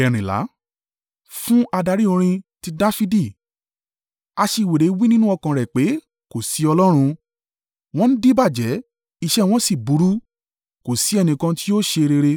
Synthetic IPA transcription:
ɛ˨ɾ̃ĩ˨la̰˨˦ | fũ˦a˧da˧ɾi˦õ˧ɾ̃ĩ˧ti˧da˦fi˧˦di˦˨ | a˧ʃe˧˨we˨ɾe˨˦wi˦nĩ˦nũ˦ɔ˧kã˨ɾɛ˨k͡pe˨˦ | ko˨si˨˦ɔ˧lɔ˦ɾ̃ũ˧ | w̃ɔ̃˦ñ̩˦di˦ba˦˨d͡ʒɛ˨˦ | i˧ʃɛ˦w̃ɔ̃˦si˦˨bu˨˦ɾu˦ | ko˨si˨˦ɛ˧nĩ˧kã˧ti˦o˦ʃe˧ɾe˧ɾe˧

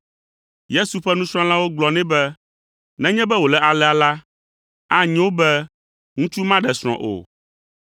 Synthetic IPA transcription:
je˦su˨ɸɛ˦nũ˦sɾ̃ɔ̃˦lã˦wo˦ɡ͡blɔ˨nɛ̃˦bɛ˦ | nɛ̃˦ɲɛ̃˦bɛ˦wo˨lɛ˨a˨lɛ˦a˨la˦ | a˦ɲɛ̃˦wo˦bɛ˦ | ŋũ˦t͡ʃu˦mã˦ɖɛ˨sɾ̃ɔ̰̃˨ʔo̰˨

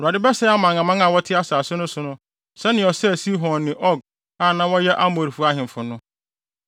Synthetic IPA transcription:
ɾu˨a˨dɪ˦bɛ˦sɛ˦a˦mã˨ŋã˨mã˦a˨wɔ˦tʰɪ˦a˦saː˨sʊ˦nʊ̃˦sʊ˨nʊ̃˦ | sɛ˦nɪ̃˨ɔ˨sɛ˦˨si˦ɦɔ̃˨nnɪ̃˨ʔɔ˦ɡ̚ | a˦˨nã˦wɔ˦jɛ˦ʔa˦mo˨ɾi˨fu˨a˦ɦɪ̃˨m˨fʊ˨nʊ̃˦

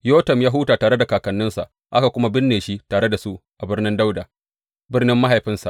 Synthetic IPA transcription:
joː˦tɐ˨mjaː˦ɦuː˦taː˨taː˨ɾe˦da˨kaː˨kɐ˨nːɪ˦nsa̰˨ʔ | ʔa˦ka˨kʷʊ˦ma˦bɪ˦nːeː˨ʃi˦taː˨ɽe˦da˨su˦ʔʔa˨bɪ˦rnɪ˦nda˦wdaː˨ | bɪ˦rnɪ˦mːa˦ɦa˨jɸɪ˦nsa̰˨ʔ

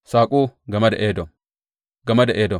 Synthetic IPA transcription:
saː˨kʼuː˦ɡɐ˨mɐ˦dɐ̰ʔeː˦dɔ˨m | ɡɐ˨mɐ˦dɐ˨ʔeːdɔ˨

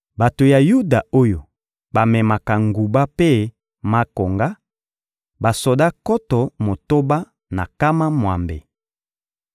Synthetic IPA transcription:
ba˨to˨ja˨ju˦da˨o˦jo˨ | ba˨mɛ˨ma˨ka˨ŋɡu˨ba˦pe˦ | ma˦ko˨ŋɡa˦ | ba˨so˨da˦kɔ˦tɔ˨mo˨to˦ba˦ | na̰˨ka˦ma˦mwa̰˨mbḛ˨

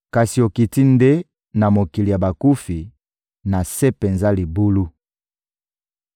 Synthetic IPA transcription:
ka˨si˨o˨ki˨ti˦nde˦ | na˨mo˨ki˨li˨ja˨ba˨ku˦fi˨ | na˨se˦pe˨nza˦li˨bu˦lu˦

